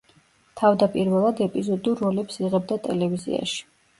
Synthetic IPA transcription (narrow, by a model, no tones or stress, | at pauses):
t̪ʰavd̪apʼiɾvɛlˠad̪ɛpʼizɔd̪uːɔlɛpsiʁɛbd̪at̪ʼɛ̰lɛvizḭa̰ʃi̥